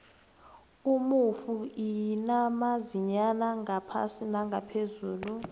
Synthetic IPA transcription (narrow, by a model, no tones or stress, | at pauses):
umufuinamaziɲanaŋapʰa̰sinaŋɡʱapʰezuːlu